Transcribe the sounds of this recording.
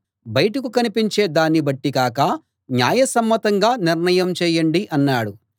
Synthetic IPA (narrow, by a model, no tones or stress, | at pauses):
bɐjʈɐkukɐnipiɲt͡ʃe̞ːd̪aːnːibɐʈːikaːkɐ | njaːjɐsɐmːɐt̪ɐŋɡaːniɾɳɐjɐmt͡ʃɛːjɐɳɖiʔɐnːaːɽu